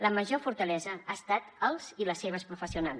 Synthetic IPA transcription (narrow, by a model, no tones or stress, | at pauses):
ləməʒofuɾt̪əlɛzəaəst̪at̪əlˠz̥iləsːeβ̞əspɾufəsiunalˠ